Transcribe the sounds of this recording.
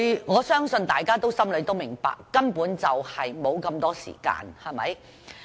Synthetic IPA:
ŋɔː˨˧sœː˥ŋsɵ˧nt̪aː˨jkaː˥t̪o˥wsɐ˥mlɵ˨˧t̪o˥wmɪ˨˩ŋpa̰ː˧kːɐ˥npuː˨˥nt͡sɐ˨whɐ˨jmo˨˧wkɐ˧mt̪ɔː˥sḭː˨˩ka̰ː˧nhɐ˨˩mɐ̰˨˥j

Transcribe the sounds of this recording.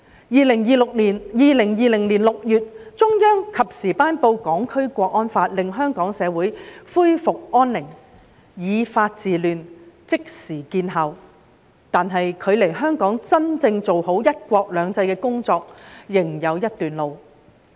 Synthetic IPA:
jiː˨˧lɪ˨˩ŋjiː˨˧lʊ˨k̚liː˨˩njiː˨lɪ˨˩ŋjiː˨lɪ˨˩ŋliː˨˩nlʊ˨k̚jyː˨t̚t͡ʃʊ˥ŋjœː˥ŋkʰɐ˨p̚siː˨˩paː˥npo˧wkɔː˨˥ŋkʰɵ˥ɥkʷɔː˧k̚ʔɔː˥nfaː˧t̚lɪ˨˧ŋɦœː˥ŋkɔː˨˥ŋsɛː˨˧wuː˨˥jfuː˥jfʊ˨k̚ʔɔː˥nlɪ˨˩ŋ | jiː˨˧faː˧t̚t͡siː˨lyː˨˧nt͡sɪ˥k̚siː˨˩kiː˧nɦɐ˨w | t̪aː˨nɦɐ˨jkʰɵ˨˧ɥle˨˩jɦœː˥ŋkɔː˨˥ŋt͡sɐ˥nt͡sɪ˧ŋt͡so˨who˨˥wjɐ˥t̚kʷɔː˧k̚lœː˨˧ŋt͡sɐ˧jkɛː˧kʊ˥ŋt͡sɔː˧k̚jɪ˨˩ŋjɐ˨˧wjɐ˥t̚t̪yː˨nlo˨˧w

